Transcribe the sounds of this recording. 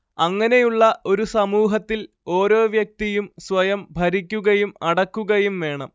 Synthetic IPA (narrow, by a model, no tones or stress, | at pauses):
ɐŋːɐne̞juɭːɐʔo̞ɾusɐmuːɦɐt̪ːil | o̞ːɾo̞ːʋjɐk̚t̪ijumsʋɐjɐmbʱɐɾikʲːuɣɐjumɐɽɐkːuɣɐjumʋe̞ːɳɐm